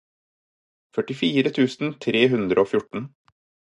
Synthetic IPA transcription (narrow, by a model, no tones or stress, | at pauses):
fœʈɪfiːɾət̪ʰʉːsn̩t̪ʰɾeːɦʉnd̪ɾəoːfjʊʈɳ̩